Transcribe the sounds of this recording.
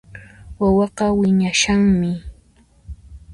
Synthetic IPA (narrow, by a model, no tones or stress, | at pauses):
wawɑqɑwɪɲaʃaŋmɪ